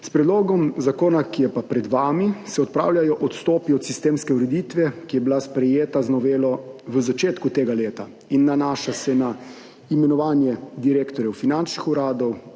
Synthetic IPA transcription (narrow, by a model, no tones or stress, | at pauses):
spɾɛd̪loːɡɔmzakoːnakijɛpapɾɛd̪ʋaːmisɛɔt̪̚pɾa̰ːwljʲajɔʔɔt̪st̪ɔːpiɔt̪sist̪eːmskɛuɾɛd̪it̪ʋɛkijɛbilaspɾɛjeːt̪aznɔʋeːlɔʋəzat͡ʃeːt̪kut̪eːɡaleːt̪a | inːanaːʃasɛna | imɛnɔʋaːnjɛd̪iɾeːkt̪ɔɾjɛwfinant͡ʃnixuɾaːd̪ɔw